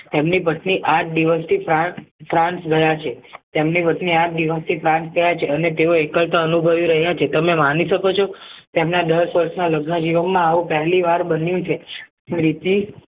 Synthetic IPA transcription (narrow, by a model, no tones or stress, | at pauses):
t̪emnipəʈniʔaʈ̚d̪iʋəst̪ʰifɾafɾãnsɡəjat͡ʃʰet̪emnipəʈniaʈ̚d̪iʋəst̪ʰifɾãnsɡəjat͡ʃʰeənet̪eoekəlt̪aənubʱəʋjĩɾəɦjat͡ʃʰet̪əmemaniʃəkot͡ʃʰot̪emnad̪əɾsʋəɾsnaləɡnəd͡ʒiʋənmãːʋũpəɦɛliʋaɾbənjũt͡ʃʰe | ɾit̪i